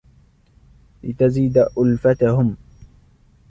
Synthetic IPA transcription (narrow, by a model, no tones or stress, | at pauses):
lɪt̪aziːd̪aʔʊlfat̪ahʊm